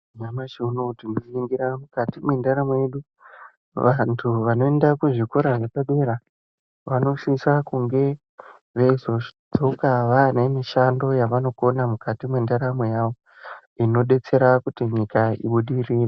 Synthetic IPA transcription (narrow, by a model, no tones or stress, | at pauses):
ɲamaʃiunotimiiŋɡiɾamukatimwendaɾamwe̞ɗu | ʋantʰuʋano̞e̞ndakuʐikoɾaʐepaɓe̞ɾa | ʋano̞ʃisakuŋɡe̞ | ʋeizo̞d͡zo̞kaʋane̞miʃando̞jaʋano̞ko̞namukatimwendaɾamejaʋo̞ | ino̞ɗe̞t͡se̞ɾakutiɲikaḭɓuɗiriːre